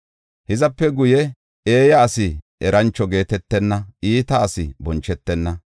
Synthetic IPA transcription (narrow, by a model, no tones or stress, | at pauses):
hɪzɐpːɛɡʊjɛ | eːjɐːsɪʔɛɾʔɐnt͡ʃːɔɡe̞ːt̪ɛt̪ːɛnːɐʔiːt̪ɐːsɪ̰bɔnt͡ʃːɛt̪ːɛnːɐ